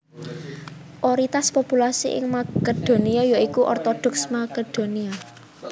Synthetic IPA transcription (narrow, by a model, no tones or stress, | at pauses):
ʔɔɾit̪aspopulasḭʔɪ̰ŋmaked̪̥o̤niajaikuʔɔ̰rt̪ɔd̪̥ɔ̤ksmaked̪̥o̤nia